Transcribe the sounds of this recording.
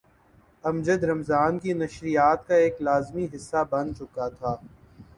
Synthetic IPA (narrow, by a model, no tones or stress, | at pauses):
ɐmd͡ʒəd̪ɾɐmzaːnkinɐʃɾijaːt̪̚kaeːklaːzmiɦɪsːabɐ̃nd̪̚t͡ʃʊkat̪ʰaː